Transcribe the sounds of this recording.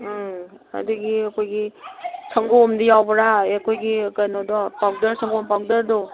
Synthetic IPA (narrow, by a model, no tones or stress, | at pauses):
a̰duɡiakʰojɡisʰaŋɡomdijawbɔɾaekʰojɡiɡanɔdɔpak̚daɾsʰaŋɡompak̚daɾdɔ